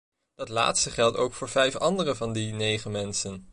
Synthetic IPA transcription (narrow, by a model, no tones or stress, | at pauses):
d̥ɑtla̰ːtstəχɛlˠto̰wkfʊːɹvɛjfɑndərəvɑndinejχəmɛnsən